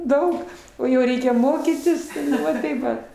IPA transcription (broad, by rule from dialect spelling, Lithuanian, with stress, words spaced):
ˈdɐʊk oː jɛʊ ˈrʲɛɪkʲɛ ˈmoːkʲiːtʲɪs ˈʋɐ tɐɪ ˈʋɐt